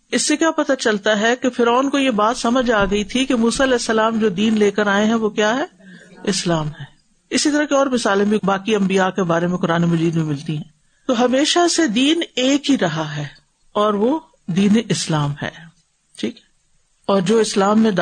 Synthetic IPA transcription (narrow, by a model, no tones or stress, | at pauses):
ɪsːekjaːpɐt̪at͡ʃɐlt̪aɦɛkefɪɾɔːnkojebaːt̪sɐməd͡ʒaːɡɐit̪ʰikemuːsaɐlɛːsːɐlaːmd͡ʒoːd̪iːnleːkəɾaːeɦɛ̃ʋokjaːɦɛːɪslaːmɦɛː | ɪsit̪ɐɾɐkeɔːɾmɪsaːlẽbʱibaːkiɐ̃mbijakebaːɾemẽkʊɾaːnemɐd͡ʒiːd̪mẽmɪlt̪iɦɛ̃ː | t̪oɦɐmeːʃased̪iːneːkɦiɾɐɦaɦɛː | ɔːɾʋo | d̪iːneʔɪslaːmɦɛ̰ː | ʈʰiːkɦɛ̥ | ɔːɾd͡ʒoːɪslaːmːẽd̪